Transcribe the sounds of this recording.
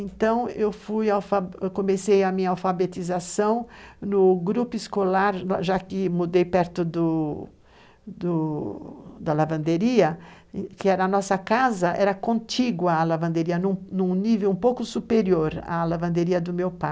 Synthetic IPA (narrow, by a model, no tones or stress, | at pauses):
ẽnt̪ɐ̃w̃ewfujawfakõmesejɐmĩɲɐawfabet̪izasɐ̃w̃nʊɡɾupʊiskolaɾaʒakɪmud̪ejpɛɾt̪ʊd̪ʊ | d̪ʊ | d̪ɐlavɐ̃nd̪eɾiɐ | kɪɛɾɐːnɔsɐkazɐʔɛ̰ɾɐkõt͡ʃiɡʊalavɐ̃nd̪eɾiɐnũnũnivewũpowkʊsupeɾioɾa̰lavɐ̃nd̪eɾiɐd̪ʊmewpa